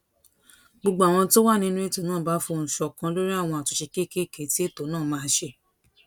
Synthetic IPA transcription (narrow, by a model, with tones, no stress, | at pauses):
ɡ͡bo˧˨ɡ͡bo˨a˨w̃ɔ̃˧to˦wa˦˨nĩ˦nũ˦e˦to˨nãː˦˨ba˨˦fo˧˨ñ̩˨ʃɔ˨kã˧˦lo˦ɾi˦a˦˨w̃ɔ̃˧a˨tu˧ʃe˧ke˦˨ke˦˨ke˨˦ti˦e˦˨to˨˦nãː˦˨mãː˦˧˦ʃe˧